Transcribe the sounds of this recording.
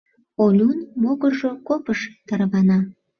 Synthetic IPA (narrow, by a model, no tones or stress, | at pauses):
olʲunmoɣərʒokopəʃt̪ɑrβɑnɑ